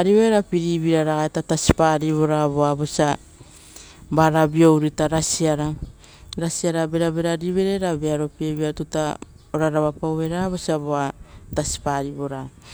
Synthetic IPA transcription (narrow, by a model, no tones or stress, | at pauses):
aɾiβoeɾapiɾiβiɾaɾaɡaetatasi̥paɾiβo̞ɾaβoabo̞sia | baɾabio̞wɾitaɾasiaɾa | ɾasiaɾabe̞ɾabe̞ɾaɾiβe̞ɾe̞ɾabeaɾo̞pieβiatuta | oɾaɾaβapawβe̞ɾaβosiaboatasi̥paɾibo̞ɾa